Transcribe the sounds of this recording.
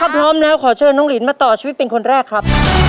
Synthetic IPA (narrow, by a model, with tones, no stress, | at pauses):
kʰaː˥˩pʰɾɔː˦˥mlɛː˦˥wkʰɔː˩˦t͡ɕʰɤː˧nɔː˦˥ŋli˩˦nmaː˧t̪ɔː˨˩t͡ɕʰiː˧wt̪̚pe˧nkʰo˧nɾɛː˥˩kʰɾa˦˥p̚